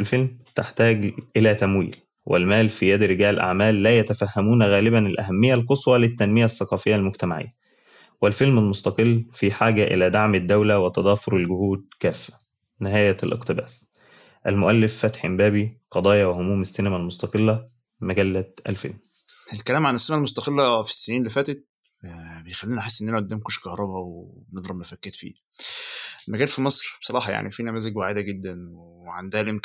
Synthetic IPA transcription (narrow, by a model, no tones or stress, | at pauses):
ʔɪlfelmt̪ɪħt̪æːɡʔɪlæt̪æmwḭːl | wʔɪ̰lmæːlfijæd̪ɾɪɡæːlelʔa̰ʕmæːlːæːjæt̪æfæhːæmuːnæɣæːlɪbænɪlʔæ̰ɦæmːɪjːælqosˤwɑlɪt̪ːænmɪjæʔsːɑqɑːfɪjːælmʊɡt̪æmaʕḛjːæ | wɪlfelmælmost̪ɑqɨlːfiːħaːɡæʔɪ̰læːd̪aʕmd̪ːæwlæwɪt̪ɑd̪ˤɑːfoɾɪlɡʊhuːd̪̚kæːfːæ̥ | nɪɦæːjælʔɪ̰qt̪ɪbæ̰ːs | ʔælmoʔælːefːæt̪ħembæːbiqɑd̪ˤɑːjɑwehomuːmesːenæmælmost̪ɑqelːæ | mæɡælːæʔæ̰lfḛlm | elkælæːmʕanesːemælmost̪ɑqelːæfi̥sːeniːnlefæːt̪et̪̚ | bejxælːiːnħesːʔenːænæʔod̪ːæːmkoʃkɑhɾˤɑbæwebened̪ˤɾˤɑbnæfækːet̪fḭː | mæɡæːlfimɑsˤɾˤbsˤɑɾˤɑːħɑja̰ʕnʔifiːnæmæːzeɡwaʕed̪æɡed̪ːænweʕand̪æhælʔemk